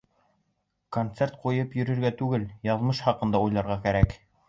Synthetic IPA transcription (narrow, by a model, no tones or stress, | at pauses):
kont̪sert̪̚qujɤpjɵ̆ɾɵ̆ɾɡæt̪ʉɡɘljɑðmɤʃχɑqɤ̆nd̪ɑujlˠɑɾʁɑkæɾæk